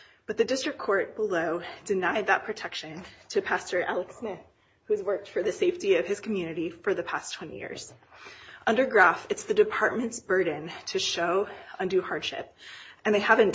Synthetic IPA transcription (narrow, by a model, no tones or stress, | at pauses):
b̥ʌt̪̚ðɨdɪstɹ̥ɨkʰːɔɹt̚b̥əloʊd̥ɨnaɪd̪̚ðət̚pʰɹ̥ɨtʰɛkʃɨ̃ntʰɨpʰæstə˞ʔɛ̰lˠəksmɪθ | hʉzwɜ˞k̚tfə˞ðɨseɪftiʌv̥ɨz̥kʰm̩jʉñɨɾifə˞ðɨpʰæstʰw̥ɛ̃ñḭjɪ̰ɹz̥ | ʔʌ̃ndə˞ɡɹæfɨtsðɨdɨpʰɑɹt̚mɨ̃ntsb̥ɜ˞dⁿn̩tʰɨʃoʊʌ̃ndʉhɑɹd̥ʃɪ̰p̚ɨ̃nðeɪhævɨ̃n